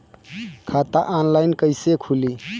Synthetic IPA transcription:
kʰat̪aʔanlajnkəɪsekʰuli

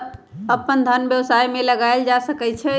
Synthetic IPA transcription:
əpːənd̪ʱənbjəwsajmeləɡaeld͡ʒasəkɛt͡ʃʰɛ

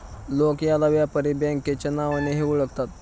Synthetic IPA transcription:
lokjalaʋjapəɾibɛŋkːet͡ɕanaʋaneɦeuɭəɡt̪at̪̚

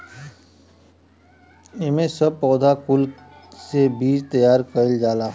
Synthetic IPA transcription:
emẽsəb̚pɔːd̪ʱakʊl | sebiːd͡ʒt̪əjaːɾkəld͡ʒaːlaɦ

